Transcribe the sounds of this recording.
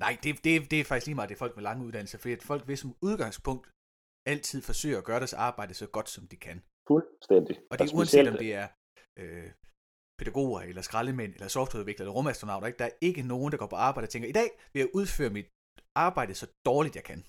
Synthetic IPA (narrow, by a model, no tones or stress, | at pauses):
nɑ̈ɪd̥e̝d̥e̝d̥e̝æfɑɡ̥isliːmɑ̈ːd̥e̝fɒ̽l̰ɡ̥melɑ̈ŋəuðˠdæn̰l̩sɐfɒ̽d̥ḭæd̥fɒ̽l̰ɡ̥ʋe̝sɒ̽muð̞ˠɡ̥ɑ̈ŋ̰spʰɔ̽ŋ̰d̥ | æl̰t͡sʰið̞̰ˠfɒ̽sø̰ːɐæɡ̥ɶːɐɾæsɑ̈ːb̥ɑ̈ɪ̰d̥əsɒ̽ɡ̥ɒ̽d̥sɒ̽md̥ikʰæn | fulst̪end̥iɒ̽d̥uænsed̥ɒ̽d̥e̝æɐ | ʔø | pʰe̝d̥ɾ̥æɡ̥o̝̰ːɐelɐsɡ̥ʁɑləmen̰elɐsɒfd̥weʋeɡ̥ɐelɐʁɔ̽mæsd̥ʁo̝nɑ̈ʊ̥ɐeɡ̥̚d̥ɑ̈æɐe̝ɡ̥əno̝ːn̩dɑ̈ɡ̥ɒ̰ːpʰɒ̽ɑ̈ːb̥ɑ̈ɪd̥ɑt͡sʰeŋɡ̥ɐid̥ɛ̰ːʋe̝jɑ̈ɪʔuð̞ˠfø̰ːɐmid̥ | ɑ̈ːb̥ɑ̈ɪ̰d̥ð̩ˠsɒ̽d̥ɒːlid̥jɑ̈ɪkʰæn